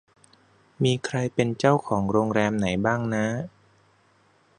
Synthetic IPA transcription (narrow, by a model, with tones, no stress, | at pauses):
miː˧kʰɾa˧jpe˧nt͡ɕa˥˩wkʰɔː˩˦ŋɾoː˧ŋɾɛː˧mna˩˦jbaː˥˩ŋna˦˥